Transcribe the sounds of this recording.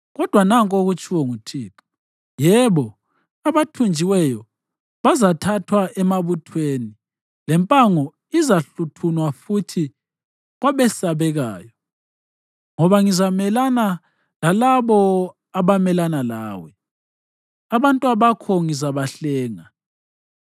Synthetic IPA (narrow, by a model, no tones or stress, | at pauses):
ɣɔd̥ʱwanaŋkʼoɣut͡ʃʼiwɔŋutʰiːpʰu̥ | jɛβɔ | aβatʰund͡ʒʱiwɛjɔ | βazatʰatʰwaɛmaβutʰweni | lɛmpʼaŋɔ | izaɬutʰunwafutʰi | ɣwaβɛsaβɛɣaːjɔ | ŋɔβaŋizamɛlana | lalaβɔ | aβamɛlanalaːwɛ | aβantʼuaβakʰɔŋizaβaɬɛːŋa